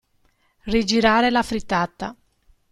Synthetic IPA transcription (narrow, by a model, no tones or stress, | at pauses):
rid͡ʒiɾaːɾelafɾit̪ːat̪ːa